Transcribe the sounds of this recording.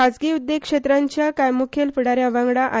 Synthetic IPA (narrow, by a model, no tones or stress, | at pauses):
ad͡zɡiud̪ːekʂet̪ɾaɲt͡ɕjakajmukʰelpiɽaɾjaʋãŋɡɽaʔa